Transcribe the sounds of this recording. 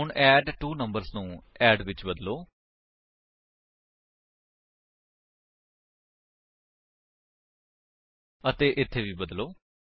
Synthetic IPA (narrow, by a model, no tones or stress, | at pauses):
ʊɳʔɛːɖʈuːnəmbəɾznũːɛːɖʋɪt͡ʃbəd̪loː | ət̪eːʔɪt̪ʰːeːʋiːbəd̪loː